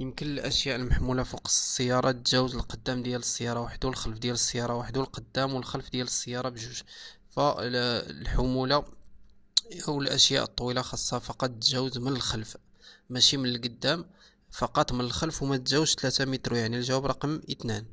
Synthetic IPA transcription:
jəmkənəlʔəʃjaʔəlməħmulafɑqsˤə̥sˤːəjːɑɾˤɑt̪ʒæwəzəlqəd̪ːæmd̪jæləsˤːəjːɑɾˤɑwaħəd̪awəlxəlfd̪jæləsˤːəjɑɾˤɑwaħəd̪awəlqəd̪ːæmwəlxəlfd̪jæləsˤːəjːɑɾˤɑbʒuʒ | fæ | lħʊmula | ʔəwːəlʔəʃja̰ʔət̪ˤːwilaxɑsˤːɑfɑqɑt̪̚ˤt̪ʒæwəzmənəlxəlf | mæʃimənəlɡəd̪ːæm | fɑqɑt̪ˤmənəlxəlfwmæt̪ʒæwʃt̪læt̪amit̪ɾojaʕnilʒæwæbɾˤɑqəmʔət̪næn

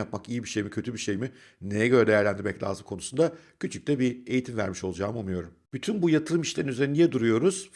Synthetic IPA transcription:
ap̚makijibiʃe̞jmicʰø̞t̪ʰybiʃe̞jmi | ne̞jɛɟø̞ɾɛd̪eæɾlʲænd̪iɾmɛclʲa̰ːzɯkʰo̞nusund̪a | cʰyt͡ʃʰyc̚t̪ɛbie̞jit̪ʰimvæ̰ɾmiʃo̞lˠd͡ʒaːmɯumujo̞ɾumb̥yt̪ʰynbujat̪ʰɯɾɯmiʃlʲeɾnyzeɾinijɛd̪uɾujo̞ɾuz̥

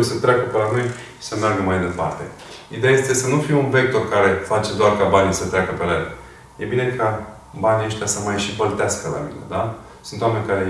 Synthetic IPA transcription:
sət̪ɾʲakəpelanoj | ʃi̥səmarɡəmajd̪e̞pa̰rt̪e̞̰ | id̪eaje̞st̪esənufiunve̞k̚t̪o̞rkaɾe̞fat͡ʃe̞d̪oarkabanisət̪ɾʲakəpelael | je̞bine̞kʰa | banieʃt̪jasəmajʃivəlt̪easkəla̰mḭne̞̰d̪a | sunt̪wame̞nʲkaɾe

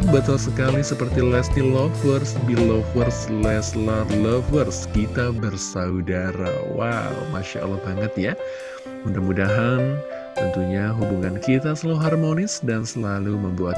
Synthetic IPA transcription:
bət̪alsəkalisəpərt̪ilɛst̪ilɔfərsbilɔfwərslɛslalɔfwərskit̪abərsaudaɾa̰wa̰wmaʃa̰ʔa̰lːahbaŋət̪ja | mundamudaɦan | t̪ənt̪uɲaɦubuŋankit̪asəlaluɦarmonɪsdansəlaluməmbuat̪̚

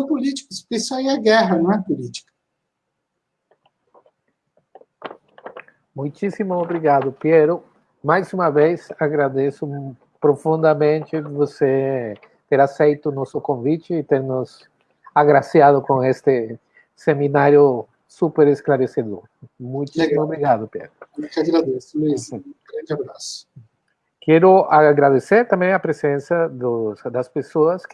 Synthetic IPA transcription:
polit͡ʃi̥kspesawiɐɡɛɦɐnõɐpolit͡ʃi̥kɐ | mũjt͡ʃ̪isimoobɾiɣad̪ʊpjeɾʊ | majzumɐvejsaɣɾad̪esʊ | pɾofũnd̪amẽnt͡ʃ̪ɪvose | t̪eɾasejt̪ʊnosokõɱvit͡ʃɪːt̪eɾnʊs | aɣɾasjaðʊkõŋest̪ɪ | semĩnaɾjʊ | supeɾesklaɾeseðoɾmũjt̪obɾiɣaðʊpḛd̪ɾʊt͡ʃaɡɾad̪esmzɡɾɐ̃nd͡ʒabɾasʊ̥ | kɛɾʊaɣɾaðeseɾt̪ɐ̃mbẽj̃ɐpɾesẽnsɐd̪ʊsd̪ɐspesoɐsk

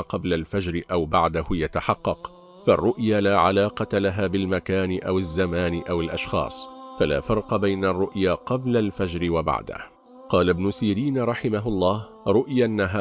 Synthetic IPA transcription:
qɑblalfad͡ʒɾɪʔawbaʕd̪ahʊjat̪aħɑqːɑq | farˤːʊʔjaːlaːʕalaːqɑt̪alaɦaːbɪlmakaːnɪʔawazːamaːnɪʔawɪlʔaʃxɑ̰ːsˤfala̰ːfɑɾˤqɑbajnarˤːʊʔjaːqɑblalfad͡ʒɾɪwaba̰ʕd̪a̰h | qɑːlabnʊsiːɾiːnɾˤɑħɪmaɦʊlˤːɑːh | ɾˤʊʔjaʔnːaɦa

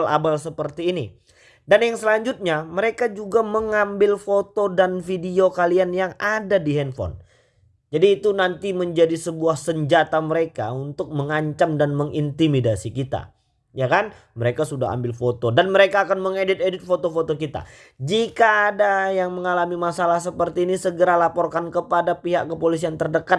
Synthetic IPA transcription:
labalsəpərt̪iːni | danjaŋsəlaɲd͡ʒut̪̚ɲaməɾekad͡ʒuɡaməŋambɪlfot̪odanfidiokalianjaŋadadiɦɛnfɔ̰n | d͡ʒadiːt̪unant̪iməɲd͡ʒadisəbuahsəɲd͡ʒat̪aməɾeka̰unt̪ʊk̚məŋaɲt͡ʃamdanməŋint̪imidasikit̪a̰ | jakan | məɾekasuda̰ɦa̰mbɪlfot̪odanməɾekaːkanməŋedɪt̪̚edɪt̪̚fot̪ofot̪okit̪a̰ | d͡ʒikaːdajaŋməŋalamimasalahs̬əpərt̪iːnisəɡəɾalapɔrkankəpadapiɦaʔkəpolis̬iant̪ərdəkat̪̚

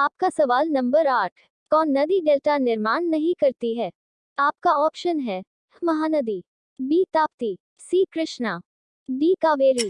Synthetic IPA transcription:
aːp̚kasɐʋaːlnɐ̃mbəɾaːʈʰ | kɔːnːɐd̪iɖeːlʈanɪɾmaːñnɐɦĩkɐɾt̪iɦɛː | aːp̚kaɔːpʃənɦɛː | mɐɦaːnɐd̪iː | biːt̪aːpt̪i | siːkɾɪʃna | biːkaːʋeːɾiː

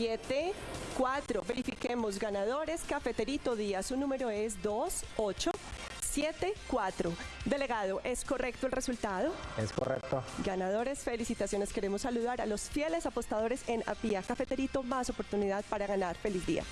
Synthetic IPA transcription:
jet̪e | kwat̪ɾoβe̞ɾifike̞mo̞z̬ɡanaðo̞ɾe̞skafe̞t̪e̞ɾit̪o̞ðiasunũme̞ɾo̞e̞z̬d̪o̞so̞t͡ʃo̞ | sjet̪e̞kwat̪ɾod̪e̞le̞ɣaðo̞ʔe̞sko̞rʔe̞k̚t̪oelresult̪að̞oesko̰rḛk̚t̪oɡanað̞o̞ɾe̞sfe̞lisit̪asjo̞ne̞ske̞ɾe̞mo̞sːaluðaɾa̰lo̞sfje̞le̞sapo̞st̪aðo̞ɾe̞sena̰piakafet̪e̞ɾit̪o̞maso̞po̞ɾt̪uniðaðpaɾaɣanaɾfe̞lizd̪ḭa̰

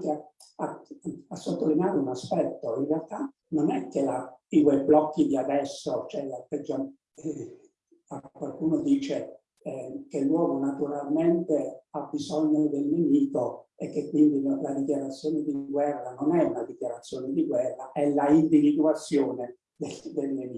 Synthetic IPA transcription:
kea | aasːot̪ːolineaːɾeunaspɛt̪ːoinrealt̪a | nonɛkːelat̪ikojblɔkːid̪iad̪ɛsːot͡ʃoɛlapːɛd͡ʒːa | akwalkuːnod̪iːt͡ʃe | kelːwɔːmonat̪uɾalment̪eabizɔɲːod̪elnemiːkoekːekːwind̪ilad̪ikjaɾat̪sːjoːned̪iɡwɛrːanonɛunad̪ikjaɾat̪sːjoːned̪iɡwɛrːaʔɛlaind̪ivid̪uat̪sːjɔːne | d̪ed̪elnemiː

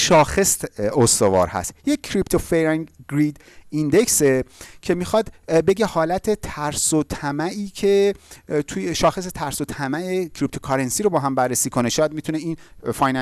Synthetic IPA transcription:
ʃɒːxe̞sost̪o̞vɒ̰ːɾhæ̰st̪jecʰːɾipt̪ʰofeɾŋɡɾid̪ | ind̪e̞ksecʰe̞mixɒd̪be̞ɟe̞hɒːlæt̪ʰe̞t̪ʰæɾsot̪ʰæmæʔiːcʰe̞t̪ʰujeʃɒːxe̞s̬e̞t̪ʰæɾsot̪ʰæmæecʰɾip̚t̪ʰokʰɒɾensiːɾobɒːɦæmbærːesiːkʰo̞neʃɒːjæd̪mit̪ʰuneinfɒjn

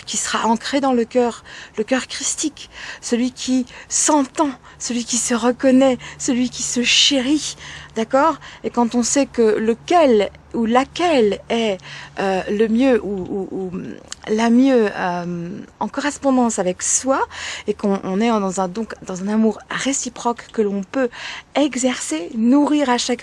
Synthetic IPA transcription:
kʲisəʁaʔɑ̃kχed̪ɑ̃ləkʲœːʁləkʲœʁkχist̪iksəlɥikʲʰisɑ̃t̪ɑ̃ | səlɥikʲisəʁəkɔnɛsəlɥikʲisəʃeʁid̪̥akɔːʁekɑ̃t̪ɔ̃sɛkələkʲɛl | ulakʲɛlɛøləmjøʔuu | lamjøømɑ̃kɔʁɛspɔ̃d̪ɑ̃savɛkswaekɔ̰̃ːnɛd̪ɑ̃zɛ̃d̪ɔ̃kd̪ɑ̃zɛ̃namuʁʁesipχɔkːəlɔ̃pøɛɡzɛʁsenuʁiʁaʃak

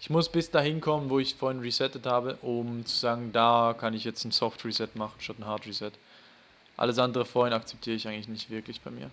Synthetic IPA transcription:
ʔɪçmʊsb̥ɪsd̥aːɦɪnkʰɔmənvoːɪçfoːɐhɪnʁizɛtəthaːbəʔʊmt͡su̥zaːɡŋ̩daːkʰanɪçjɛt͡stn̩sɔftʁizɛtmaχn̩ʃtatn̩haɐtʁisɛt | ʔa̰ləs̬ʔandəʁəfoːɐhɪnakt͡sɛ̥p̚tʰiːʁəɪçaɪŋlɪçnɪçtv̥ɪɐklɪçb̥aɪmiːɐ

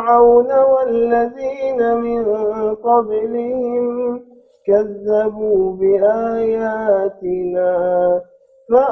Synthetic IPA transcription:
ɾawnawalːaðiːnamɪnqɑblɪhɪm | kaðːabuːbɪʔaːjaːt̪ɪnaː | ma

